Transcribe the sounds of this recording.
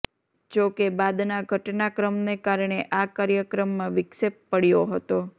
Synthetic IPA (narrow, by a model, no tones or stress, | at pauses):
d͡ʒokebad̪naɡʱəʈnakɾəmnekaɾɳeʔakaɾjəkɾəmːãʋɪkʃep̚ːəɽjoɦət̪o